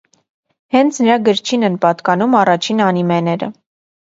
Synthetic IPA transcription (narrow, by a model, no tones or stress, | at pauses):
hɛnt͡sʰnəɾɑɡəɾt͡ʃʰinɛnpɑt̪kɑnumɑrɑt͡ʃʰinɑnimɛnɛɾə̰